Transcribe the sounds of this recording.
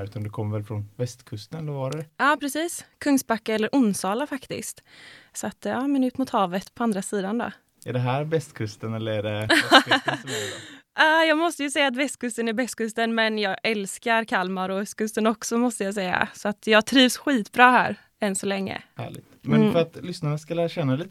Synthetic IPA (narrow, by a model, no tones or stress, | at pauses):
ʉ̟ːt̪and̪ɛkʰɔmːəɾvɛlfɾɔnvɛst̪kʰɵst̪ənɛlɛɾvɑɾəɑːpʰɾɛsiːskʰɵŋst̪̚bakːaɛlːəɾʔʊnːsɑːlafakt̪ɪ̰st̪sɔat̪ɑːmɛnʉ̟ːt̪mʊt̪hɑːvət̪pʰɔand̪ɾasiːd̪and̪ɔ̰ | ɛɖɛɦæːɾbɛst̪kʰɵst̪ənɛlːəɾɛɖɛ | ɑːjɑːɡmɔst̪əjɵsɛjːat̪̬bɛst̪̚kʰɵst̪ənæɾbɛst̪̚kɵst̪ənmɛnjɑːɡɛlskaɾkʰalmaɾɔskʰɵst̪ənɔksɔmɔst̪əjasɛjːa̰sɔat̪jɑːɡ̚t̪ʰɾiːvsɧiːt̪bɾɑːhæ̰ːɾ | ɛnsɔlɛŋːə̰hæ̰ːɭɪ̰ɡ̚t̪mɛnnfœɾat̪lʏsnaɾaskalæːɾaɕɛnːaliːt̪